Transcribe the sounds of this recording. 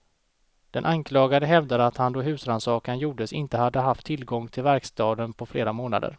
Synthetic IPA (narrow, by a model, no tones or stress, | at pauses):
d̪̥ɛnʔaŋkʰlɑːɡad̪əɦɛvd̪ad̪əat̪hand̪oːɦʉ̟ːsɾansɑːkanjuːɖəsɪnt̪əhad̪ːəɦaft̪ʰːɪlɡɔŋːt̪ʰɪlvæɾkst̪ɑːd̪ənpʰɔfleːɾamoːna̰d̪ə̰ɾ